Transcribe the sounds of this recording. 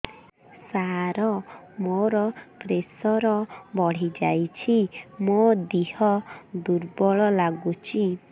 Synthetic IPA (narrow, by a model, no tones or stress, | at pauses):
saɾɔ | moɾɔpɾesɔɾɔbɔɽ̤id͡ʒajt͡ʃʰimod̪ihɔd̪uɾbɔɭɔlaɡut͡ʃʰi